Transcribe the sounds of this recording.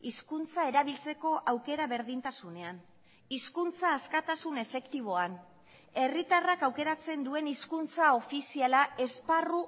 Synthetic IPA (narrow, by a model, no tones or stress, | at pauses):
iskunt͡sae̞ɾaβilt͡se̞ko̞ʔawke̞ɾaβe̞ɾðint̪asune̞an | iskunt͡saːskat̪asune̞fe̞kt̪iβ̞o̞an | e̞rit̪arakawke̞ɾat͡se̞nd̪ue̞niskunt͡sao̞fisialae̞sparu